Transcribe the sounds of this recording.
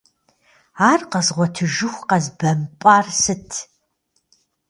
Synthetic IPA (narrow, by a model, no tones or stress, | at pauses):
aːrqɐzʁʷɔtʰɨʒɨxʷqɐzbɐmpʼaːrsɨtʰ